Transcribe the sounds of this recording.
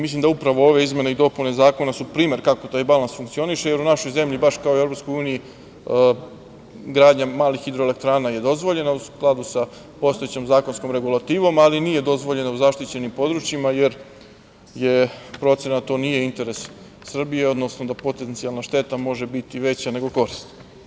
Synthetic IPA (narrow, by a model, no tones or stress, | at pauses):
mislimd̪aupɾaʋo̞o̞ʋeizme̞neid̪o̞pulnezaːko̞nasupɾiːme̞ɾkako̞t̪aːjbalˠansfuŋkt̪sio̞niʃe̞je̞ɾunaʃo̞jze̞mʎibaʃkaoievɾopsko̞juːniji | ɡɾaːd̪ɲamaːlixid̪ɾoele̞k̚t̪ɾaːnaje̞d̪o̞zʋo̞ʎe̞nausklˠad̪usa | po̞st̪o̞jet͡ɕemzaːko̞nskomɾe̞ɡulˠat̪iːʋo̞malinije̞d̪o̞zʋo̞ʎe̞nauzaʃt̪it͡ɕe̞nimpo̞d̪ɾut͡ʃjimaje̞ɾ | jepɾo̞t̪senat̪o̞ːnije̞int̪e̞ɾesː | r̩bijeo̞d̪nosnod̪apo̞t̪ent̪sialnaʃt̪e̞t̪amo̞ʒe̞bit̪iʋe̞t͡ɕane̞ɡo̞ko̞ɾist̪